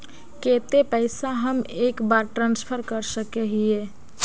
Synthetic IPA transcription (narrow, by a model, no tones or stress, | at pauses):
ket̪epəɪsaɦəmekbaɾʈɾãnspʰəɾkəɾsəkeɦie